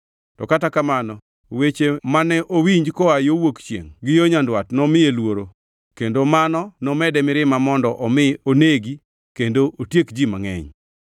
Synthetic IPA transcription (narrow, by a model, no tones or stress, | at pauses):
tɔkatakamanɔ | wet͡ʃemanɛʔowiɲd͡ʒkɔajowokt͡ʃjḛŋɡɪjoɲandwatnɔmɪelwoɾo | kendomanɔnɔmɛdɛmɪɾɪmamɔndɔʔɔmɪoneɡi | kendoʔotjekd͡ʒima̰ŋɛ̰ɲ